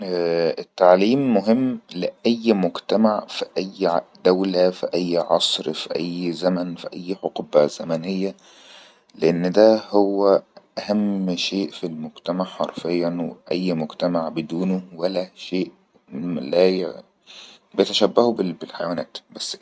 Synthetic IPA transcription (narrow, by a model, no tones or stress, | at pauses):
et̪ːaʕliːmːoɦɪmːlɪʔæjːmʊɡt̪æmaʕfiʔæjːd̪æwlæfiʔæjːʕɑ̰sˤɾfiʔæjːzæmænfiʔæjːħoqubæzæmænejːæ | leʔenːd̪æhowːæʔæhæmʃeːʔfilmoɡt̪æmaʕħɑ̰ɾˤfejːænwḛʔæjːmʊɡt̪æmaʕbed̪uːnowælæʃeːʔ | læj | bejet̪æʃæbːæhubebelħajæwænæ̰ːt̪bæsː